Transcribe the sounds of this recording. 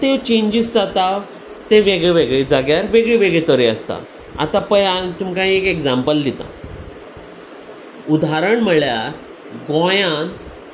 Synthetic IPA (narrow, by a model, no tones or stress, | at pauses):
t̪et͡ɕẽɲd͡ʑiːsd͡zat̪a | t̪eʋeɡɭeʋeɡɭid͡zaɡjaɾʋeɡɭiʋeɡɭit̪əɾiəst̪a̰ | a̰t̪apəjat̪umkaĩekeɡd͡zampəld̪it̪a̰ | ud̪aɾəɳm̤əɭjaɾ | ɡõjãn